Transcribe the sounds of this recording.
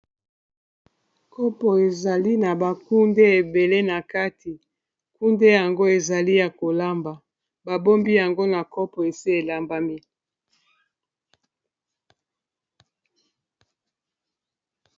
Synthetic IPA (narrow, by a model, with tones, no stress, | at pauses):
kʰɔ˦pɔ˨e˨za˨li˦na˨ba˨ku˦nde˦e˨be˨le˦na˨ka˦tʰi˨ | ku˦nde˦ja˨ŋɡo˦e˨za˨li˦ja˨ko˨la˦mba˨ | ba˨bo˦mbi˦ja˨ŋɡo˦na˨kɔ˦pɔ˨e˨si˦e˨la˦mba˦mi˦